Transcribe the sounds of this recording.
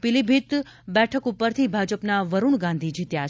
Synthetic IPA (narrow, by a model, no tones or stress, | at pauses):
pilibʱit̪ | bɛʈʰəkupːəɾt̪ʰibʱad͡ʒəpnaʋəɾuɳɡãnd̪ʱid͡ʒʱit̪ja